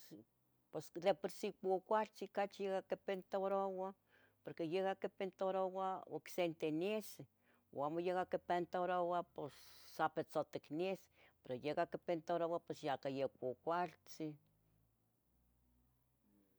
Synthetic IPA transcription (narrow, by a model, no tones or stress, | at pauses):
pesd̪epeɾsikokʷalt͡sikat͡ʃjeɡakepent̪oɾowa | poɾkejekakepent̪oɾowao̰ksent̪enise | o̰amojeɡakepent̪aɾowaposːapet͡sot̪eknis | peɾojekakepent̪oɾowapesjakajekʷokʷalt͡si